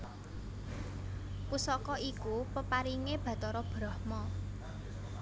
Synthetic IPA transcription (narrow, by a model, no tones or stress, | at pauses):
pusɔkɔikupəpaɾiŋeb̥ä̤t̪ɔɾɔb̥ɾɔhmɔ